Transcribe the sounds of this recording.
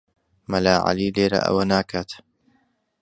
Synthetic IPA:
mɐlaːʕa̰liːleːɾa̰ʔɐ̰wɐnaːkʰat̪

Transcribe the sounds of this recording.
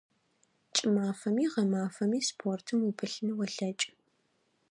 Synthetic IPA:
t͡ʃʼɪmaːfɐmiːʁɐmaːfɐmiːspʰoːrtʰɨmubɨɬnɨwɐɬɐt͡ʃʼɪ̥

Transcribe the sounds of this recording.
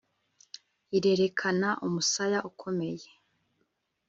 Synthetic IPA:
iɾe̞ɾe̞kʰanaʔumusajaʔukʰo̞me̞je

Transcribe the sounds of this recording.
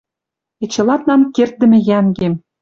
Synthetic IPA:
et͡ɕɤ̆lˠɑt̪nɑmkert̪̚d̪ɘ̆mʲɘ̆jæŋɡʲem

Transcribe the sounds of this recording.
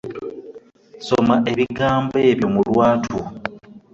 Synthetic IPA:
somaʔe̞βiɡaːmbe̞ːβjo̞mulwaːtʰu

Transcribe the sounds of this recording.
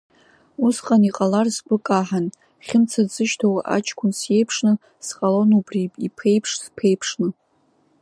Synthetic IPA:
usqʼaniqʼalarsɡʷʼʊkʼaħan | χʲɪmt͡sʰad͡zɨʃtʰawaʔa̰t͡ʃʰkʷʰʊnsje̞jpʰʂnɨ | sqʼalo̞nubripʼipʰe̞jpʰʂspʰe̞jpʰʂnɨ

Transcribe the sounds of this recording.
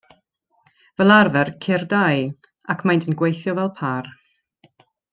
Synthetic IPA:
vɛlˠarvɛrkʰɪrdaj | akʰmajntʰənɡwejθjɔvɛlˠpʰar

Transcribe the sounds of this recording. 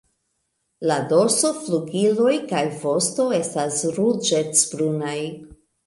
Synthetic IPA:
lado̞so̞fluɡilo̞jkajvo̞sto̞e̞stasɾud͡ʒet͡sbɾunaj

